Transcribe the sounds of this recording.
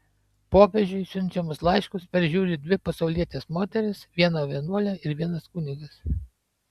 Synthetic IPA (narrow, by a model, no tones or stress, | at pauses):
poːpʲɛʒʲd͡ʒʲʊɪsʲʊnʲt͡ʃʲɛmʊslˠɐɪʃkʊspʲɛɾʲʒʲuːɾʲɪd̪ʲʋʲɪpɐsɐʊlʲiɛt̪ʲeːsmoːt̪ʲɛɾʲɪsʋʲiɛnoːʋʲiɛnuɔlʲɛɪɾʋʲiɛnɐskʊnʲɪɡɐs